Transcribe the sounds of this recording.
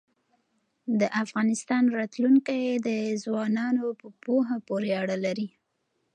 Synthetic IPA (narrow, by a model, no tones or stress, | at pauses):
d̪əʔafɣɑnɪst̪ɑnɾɑt̪luŋkajed̪əzwɑnɑnopəpoɦapoɾeaɽalaɾi